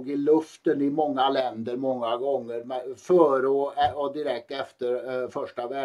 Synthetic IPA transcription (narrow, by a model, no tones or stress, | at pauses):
ɡɪlɵft̪ənɪmɔŋːalɛnd̪əɾmɔŋːaɡɔŋːəɾmɛfœːɾɔɛɔd̪ɪɾɛk̚t̪ɛft̪əɾfœʂʈaʋæː